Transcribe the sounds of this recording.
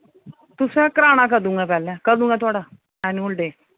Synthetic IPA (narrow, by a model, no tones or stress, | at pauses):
t̪ʊsɛ̃ːkəɾaːɽ̃aːk̬əɾd̪ũːŋɡɛːpɛːlɛ̃ːkəɾd̪ũːŋɡɛːt̪ʊaːɽaː | ɛːnoːlɖeː